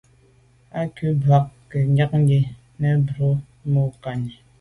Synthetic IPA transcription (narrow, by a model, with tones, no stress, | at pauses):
a˦kʉ˦ba˨k̚kɛ˨ɲa˦k̚ŋ˦ɡe˦ | nɛ˦bɾo˦ | mo˦ka˨ɲi˨